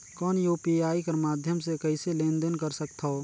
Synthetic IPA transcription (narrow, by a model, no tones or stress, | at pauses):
kɔːnjuːpiaːikɐɾmaːd̪ʱjəmsekəɪselẽːnd̪ənkəɾsək̚t̪ʰɦɔː